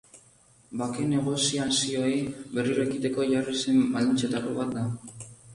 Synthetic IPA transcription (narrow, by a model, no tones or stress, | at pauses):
bake̞ne̞ɣ̞o̞siasio̞ebe̞riɾoekit̪e̞ko̞ʝarisemmald̪int͡set̪akoβat̪̚d̪a